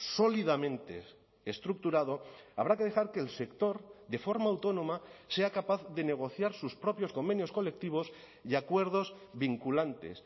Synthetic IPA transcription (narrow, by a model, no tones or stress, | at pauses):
so̞liðamẽ̞nt̪e̞̰ː | st̪ɾuk̚t̪uɾað̞o̞aβɾake̞ð̞e̞xaɾkeːlse̞kt̪o̞ɾd̪e̞fo̞ɾmaːwt̪o̞nõ̞mase̞akapaθðe̞ne̞ɣ̞o̞θjaɾsuspɾo̞pjo̞sko̞mbe̞njo̞sko̞le̞k̚t̪iβ̞o̞s | iakwe̞ɾð̞o̞zβiŋkulant̪e̞̰s